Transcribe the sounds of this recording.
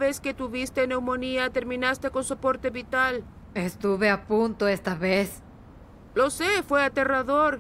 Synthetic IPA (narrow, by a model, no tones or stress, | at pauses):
βesket̪uβist̪ene̞wmo̞niat̪e̞ɾmĩnast̪e̞ko̞nso̞po̞ɾt̪e̞βit̪al | est̪uβeapunt̪oest̪aβes | lo̞sefweat̪e̞raðoɾ